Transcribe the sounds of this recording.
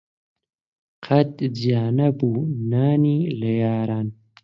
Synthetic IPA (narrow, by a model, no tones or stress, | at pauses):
qʰɐt̪zjaːnɐbuːnaːnilɐjaːɾaːn